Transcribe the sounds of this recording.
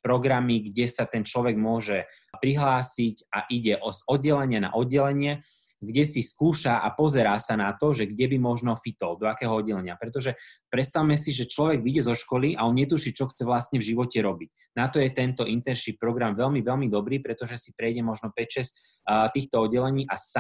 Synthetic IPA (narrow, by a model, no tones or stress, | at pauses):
pɾɔɡɾamiɡɟɛsat̪ɛnt͡ʃlɔʋɛɡmʊɔʒɛ | pɾiɦlaːsicaʔiɟɛʔzɔd̪̚ɟɛlɛɲɪana̰ʔɔd̪̚ːɛlɛɲɪɛɡɟɛsiskuːʃaʔa̰pɔzɛɾaːsanat̪ɔʒɛɡɟɛbimɔʒnɔfit̪ɔld̪ɔakɛːɦɔɔd̪ːɛlɛɲɪapɾɛt̪ɔʒɛpɾɛt̪st̪awmɛsiʒɛt͡ʃlɔʋɛɡʋiɟɛzɔʃkɔliʔaɔnɲɛt̪uʃit͡ʃɔxt͡sɛʋlast̪ɲɛvʒiʋɔcɛɾɔbic | nat̪ɔjɛt̪ɛnt̪ɔʔint̪ɛnʃip̚pɾɔɡɾamʋɛlmiʋɛlmid̪ɔbɾiːpɾɛt̪ɔʒɛsipɾɛjɟɛmɔʒnɔpɛcʃɛs | t̪iːxt̪ɔɔd̪ɟːɛlɛɲiːʔasa